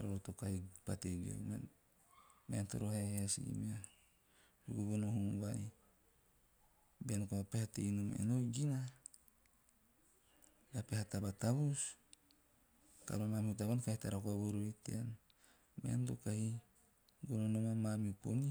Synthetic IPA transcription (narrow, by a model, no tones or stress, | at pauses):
aɾoɾotokahipateɡio̰me | mento̰ɾoheheasḭmia | ɾuɡuɡonohuβaj | benkoapehatejnomḛnojɡina | ɡapehatabataβus | ta̰lomamiutaβankahitaɾakoaβoɾoitḛan | mentokahi | ɡononomamamiupo̰ni